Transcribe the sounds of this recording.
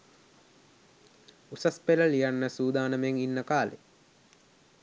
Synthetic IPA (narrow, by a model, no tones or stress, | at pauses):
usɐspeləlijanːəsuːd̪aːnəmeŋinːəkaːlḛ